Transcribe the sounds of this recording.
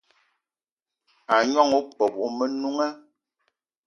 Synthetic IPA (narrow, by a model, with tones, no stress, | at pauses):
a˨ɲɔ˦ŋu˦k͡pɔ˨bu˨˦mə˦nu˦ŋa˦